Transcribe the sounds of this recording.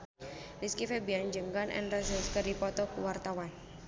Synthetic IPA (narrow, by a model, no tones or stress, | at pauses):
liskifebiand͡ʒəŋɡanʔɛ̰nrasəskədipɔt̪ɔkuwart̪awan